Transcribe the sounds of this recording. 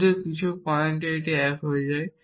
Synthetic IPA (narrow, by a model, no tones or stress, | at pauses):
tekit͡ɕʰupɔjenʈeʈeɛkɦojed͡ʑae